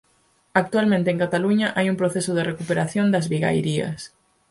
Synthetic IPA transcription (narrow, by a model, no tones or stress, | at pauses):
ak̚t̪ualmẽnt̪eːŋkat̪aluɲaʔajumpɾoθesʊð̞erekupeɾaθjond̪ɐzβiɣa̰jɾiɐ̰s